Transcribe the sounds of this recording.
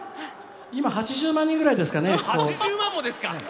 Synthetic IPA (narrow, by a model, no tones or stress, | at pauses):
imahat͡ɕiʑɨːmãɲ̟ːĩŋɡɯɾaid̪e̞sɨ̥kane̞koːmãmːod̪esɨ̥ka